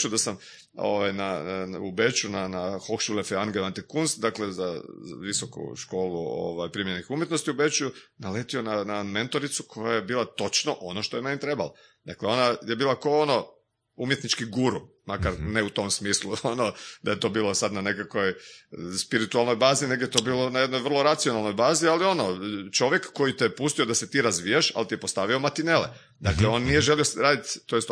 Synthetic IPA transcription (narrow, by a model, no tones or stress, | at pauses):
t͡ʃud̪asam | o̰ʋajnaubet͡ʃunanahokʃulefeanɡeʋant̪ikunsd̪aklezaʋisokṵʃko̞ːluo̰ʋajpɾimʲjenixumjet̪no̞st̪iube̞t͡ʃujunale̞t̪io̞naname̞nt̪o̞ɾit̪sukʰo̞jajebiːlat̪o̞t͡ʃnoʔo̞no̞ʃt̪ojemeɲet̪ɾe̞bala | d̪̥akleo̞naje̞biːlˠakoono̞ | umjet̪nit͡ʃkiɡuɾumakaɾneut̪o̞msmiːslˠuonod̪aje̞t̪o̞biːlˠosad̪nane̞kako̞jspiɾit̪ualno̞jbaːzine̞ɡjet̪o̞biːlˠo̞najed̪no̞jʋər̩lˠo̞ɾat̪sijo̞nalˠno̞jbaːzialio̞not͡ʃo̞ʋjekːo̞jit̪ɛpust̪iod̪ase̞t̪iːɾazʋiːjaʃa̰lt̪ijepost̪aʋio̞mat̪inele | d̪akleonnije̞ʒe̞liosɾaːd̪it̪t̪ːojest̪